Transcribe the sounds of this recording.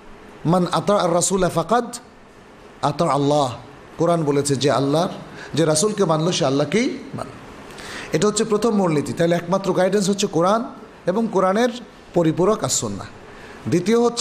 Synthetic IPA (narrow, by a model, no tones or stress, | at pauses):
manat̪ɑːarːɐsuːlafaqɑd̪ | at̪ɑalːaɦ | koɾanbolet͡ɕʰed͡ʑea̰lːaɾd͡ʑeɾasulkebanloʃealːakejba̰no̰ | eʈaɦotːɕʰepɾot̪ʰomːuɾnit̪it̪aɦeleɛkmat̪ːɾoɡajɖens̬ɦotːɕʰekoɾan | eboŋkoɾaneɾ | poɾipuɾokasːunːa̰ | d̪it̪ioɦotːʰ